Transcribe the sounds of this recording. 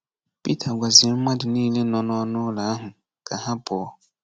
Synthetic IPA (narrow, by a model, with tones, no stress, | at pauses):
pi˦tʰa˨ɡʷa˨zɪ˨˦m̩˦ma˦dɪ˨niː˦le˦nɔ˨nɔ˦nʊ˦la˨a˦ɦʊ˨ | ka˨ɦa˦bɔ˨ɔ˦